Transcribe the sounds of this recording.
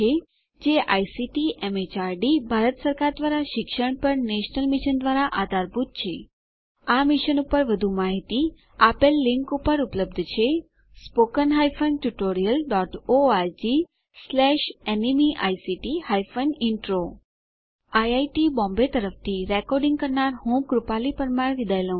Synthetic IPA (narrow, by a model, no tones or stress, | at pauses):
e | d͡ʒeʔajsiʈiʔemet͡ʃaɾɖibʱaɾət̪səɾkaɾd̪ʋaɾaʃɪkʃəɳ̃pəɾneʃnəlmiʃənd̪ʋaɾaʔad̪ʱaɾbut̪̚t͡ʃʰe | amiʃənupəɾʋəd̪ʱumaɦit̪i | apelːiŋkupəɾupləb̚d̪ʱt͡ʃʰe | spokənɦajfənʈuʈoɾijəlɖɔʈoaɾd͡ʒi | slɛʃenimiʔajsiʈihajfəniɳʈɾo | ajajʈibɔ̃mbet̪əɾəft̪ʰiɾekɔɾɖĩŋɡkəɾnaɾɦũkɾupalipəɾmaɾʋid̪ʱajlõ